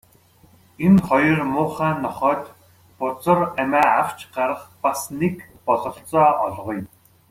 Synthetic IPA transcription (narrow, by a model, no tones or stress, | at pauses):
enχɔjɞ̆rmʊːχæːnːɔχœːt̪ | pʊt͡sə̆ræmæːaw̥t͡ɕɢaɾə̆χpasnekpɔɮɞ̆ɬt͡sɔːʔɔ̰ɮʁɞjm